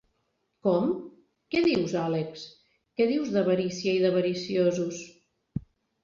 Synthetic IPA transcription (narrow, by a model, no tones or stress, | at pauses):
kɔm | kɛðiwzaleks | kɛðiwzðəβəɾisiəiðəβəɾisiozus